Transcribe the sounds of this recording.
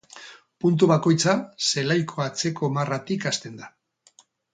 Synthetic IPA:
punt̪̬uβako̞jt͡sase̞lajkʰo̞at͡se̞ko̞marat̪ikast̪e̞nd̪a

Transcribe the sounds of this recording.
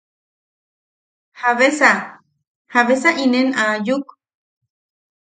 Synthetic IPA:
haβesa | haβesaʔinenajuk

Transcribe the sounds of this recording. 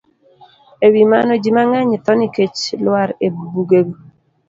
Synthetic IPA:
ewima̰nɔd͡ʒimaŋaɲɪt̪ɔniket͡ʃlwaɾebubuɡeɡu

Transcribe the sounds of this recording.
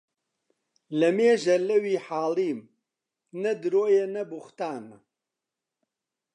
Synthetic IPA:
lɐmeːʒɐlɐwiːħaːliːm | nɐd̪ɨɾoːjenɐbuxt̪aːn

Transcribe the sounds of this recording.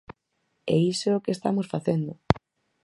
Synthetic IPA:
ɛisookest̪amosfaθend̪ʊ

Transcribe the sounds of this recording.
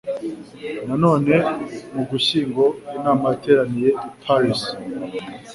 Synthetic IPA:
nano̞ːne̞muɡuɕiːŋɡo̞inaːmate̞ːɾanijepʰaɾis

